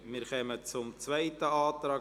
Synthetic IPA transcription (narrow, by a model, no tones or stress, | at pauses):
mɪːɾχœmət͡sʊmt͡svaɪtəaːtɾɑː